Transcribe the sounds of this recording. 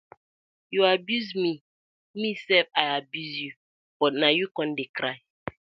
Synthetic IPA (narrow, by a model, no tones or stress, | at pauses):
juabjuzmi | misɛfaɪabjuzju | b̥ɔtnajukɔ̃ndekɾaɪ